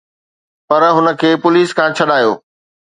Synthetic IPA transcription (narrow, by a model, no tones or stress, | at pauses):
pɐɾɦʊnə̆kʰeːpʊliːskʰãːt͡ɕʰɐɗaːjo̰ː